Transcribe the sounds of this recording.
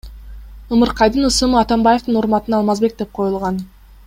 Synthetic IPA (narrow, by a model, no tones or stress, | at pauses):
ɯmɯɾqɑjd̪ɯnɯsɯmɯɑt̪ɑmbaje̞ft̪ɯnuɾmɑt̪ɯnɑlˠmɑzbe̞k̚d̪e̞p̚qʰo̞julˠʁɑn